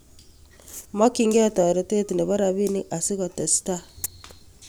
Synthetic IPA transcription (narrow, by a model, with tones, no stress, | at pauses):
mɔ˦ki˦ŋɡe˦˨tɔ˨ɾɔ˨˦te˦ti˨ne˨βa˦ɾa˨βi˦ni˦ʔa˨si˦ɣɔ˨tɛ˨sta˦